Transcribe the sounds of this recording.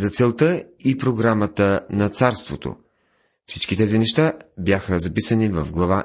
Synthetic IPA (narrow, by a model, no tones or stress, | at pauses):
zɐt̪sɛlˠt̪ə | ipɾoɡɾamət̪ənɐt̪saɾst̪vot̪o̰ | fsit͡ʃkit̪ɛzinɛʃt̪abjaxəzɐpisənivəvɡlˠɐva